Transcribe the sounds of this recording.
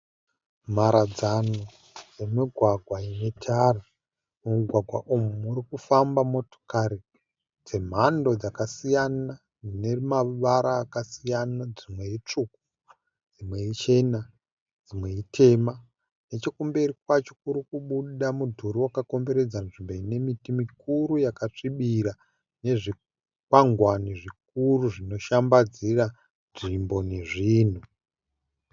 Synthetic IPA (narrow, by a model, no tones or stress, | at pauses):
m̤aɾad͡zano | d͡ze̞miɡʱwaɡʱwajemetʰara | mumiɡʱwaɡʱwa̰ʔumumuɾikufambamo̞to̥kaɾi | d͡ze̞m̤ando̞d͡zakasijana | d͡zinemaʋaɾaːkasijanad͡zimwe̞it͡ʂuk̚u̥ | d͡zimwe̞it͡ʃe̞na | d͡zimwe̞itʰe̞ma | net͡ʃekumbe̞rikwat͡ʃo̞kuɾikuɓuɗamudʱuɾiwakako̞mbe̞ɾe̞d͡zanʐimboine̞mitimikuɾujakat͡ʂiɓiɾa | ne̞ʐi | kwaŋɡwaniʐik̚uruʐino̞ʃambad͡zira | nʐimbo̞ne̞ʐiːn̤u